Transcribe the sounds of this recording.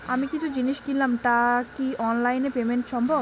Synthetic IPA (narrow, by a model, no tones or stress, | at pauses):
amikit͡ʃʰud͡ʑiniʃkillːamʈakiʔɔnlajnepemeɳʈʃɔmbʱɔb